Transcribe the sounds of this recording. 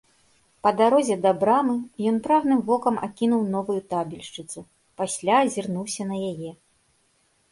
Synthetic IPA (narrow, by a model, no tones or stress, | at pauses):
pɐd̪aɾɔzʲɛd̪ɐbɾamɨjɔnpɾaɣnɨmvɔkɐma̰kʲinuwn̪ɔvujut̪abʲilʲʂt͡ʂɨt̪su | pasʲlʲazʲirnuwsʲɐnɐjajɛ